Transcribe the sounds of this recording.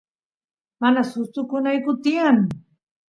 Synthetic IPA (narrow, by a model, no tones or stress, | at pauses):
manasʊst̪ʊkʊnajkʊt̪ɪaŋ